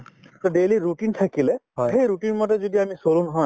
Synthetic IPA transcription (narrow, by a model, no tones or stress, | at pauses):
tɔdeliɹutintʰakilɛɦɔjxejɹutinmɔt̬ɛzodiamisolũnɔɦɔ